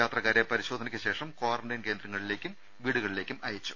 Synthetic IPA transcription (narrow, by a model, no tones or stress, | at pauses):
jaːt̪rɐkːaːɾepɐɾiɕo̞ːd̪ʱɐnɐkʲːɨɕe̞ːʂɐmkoːʋɐrɐɳɖɐnkeːnd̪rɐŋːɐɭile̞ːkʲːum | ʋiːɽuɣɐɭile̞ːkʲːumɐjɐt͡ɕːu̥